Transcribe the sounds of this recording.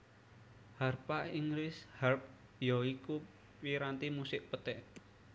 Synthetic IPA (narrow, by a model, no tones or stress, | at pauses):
harpaʔiŋɾɪsharp̚ | jɔiku | piɾant̪imusɪʔpət̪ɛʔ